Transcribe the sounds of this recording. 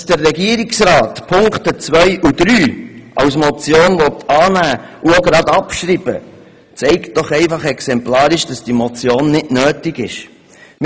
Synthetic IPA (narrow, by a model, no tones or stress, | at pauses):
sd̥ərːɛɡiːəɾɪksɾɑːtpʰʊŋktət͡sʋœjʔud̥ɾyːʔɑwsmɔt͡sjoːnvɔt̪ʰɑːnæːuoɡɾɑdɑpʃɾib̥ə̰ | t͡sɛɪkt̚d̥ɔχɛɪfɑχɛksɛmplɑːɾɪʃd̥ɑsd̥imɔt͡sjoːnːɪdnøːtɪɡɪ̰ʃ | m